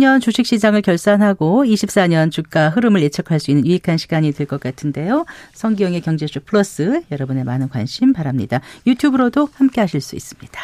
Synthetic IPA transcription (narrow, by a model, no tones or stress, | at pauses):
ɲʌnt͡ɕoɕʰik̚ɕ͈id͡ʑaŋɯɭkjʌɭs͈anɦaɡoiɕʰip̚s͈aɲʌnt͡ɕuk̚k͈aɦɯɾɯmɯɭje̞t͡ɕʰʌkʰaɭs͈uinːɯnjuikʰanɕʰi̥ɡ̥aɲitɯɭk͈ʌk͈atʰɯnde̞josʰʌŋɡijʌŋekjʌŋd͡ʑed͡ʑupʰɯɾʌs͈ɯjʌɾʌbɯne̞manɯnkwanɕʰimpaɾamɲḭdajutʰjubɯɾodohamk͈e̞ɦaɕʰiɭs͈ṵḭs͈ɯmɲid̥ḁ